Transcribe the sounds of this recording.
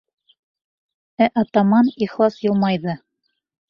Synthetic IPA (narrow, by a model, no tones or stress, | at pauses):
æʔɑt̪ɑmɑniχlˠɑsjolˠmɑjðɤ